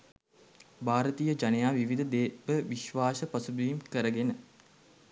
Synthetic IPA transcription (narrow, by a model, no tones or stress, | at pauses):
baːɾət̪ijəd͡ʒanəjaːʋiʋid̪ʱəd̪eːʋəʋiʃʋaːsəpɐsubiːmkəɾəɡenə